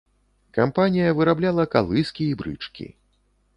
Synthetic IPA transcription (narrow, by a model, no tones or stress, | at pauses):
kampanʲijɐvɨɾablʲalˠɐkalˠɨskʲiːbɾɨ̰t͡ʂkʲḭ